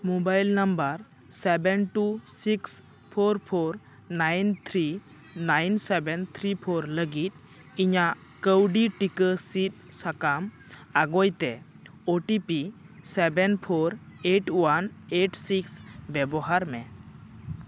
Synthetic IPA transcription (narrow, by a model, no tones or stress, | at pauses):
mobajlnəmbəɾ | sɛbɛnʈusiks | pʰoɾpʰoɾ | najnt̪ʰɾi | najnsɛbɛnt̪ʰɾipʰoɾləɡit̪̚ | iɲaʔ | kəwɖiʈikəsit̪̚sakam | aɡojt̪ɛ | oʈipi | sɛbɛnpʰoɾeʈwaneʈsiksbɛbɔɦaɾmɛ